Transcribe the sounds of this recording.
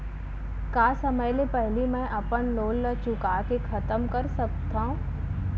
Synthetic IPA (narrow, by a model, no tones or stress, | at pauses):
kaːsəməjlepɛɦlimɛ̃ːʔɐpənloːlːət͡ʃʊkaːkekʰɐt̪əmkɐɾsɐk̚t̪ãɦũ